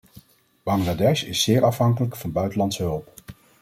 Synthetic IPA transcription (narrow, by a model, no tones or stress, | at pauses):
b̥ɑŋɡladɛʃɪsːɪːɹɑfɦɑŋkələkfɑnbœɥtəlɑntsəɦɵlˠp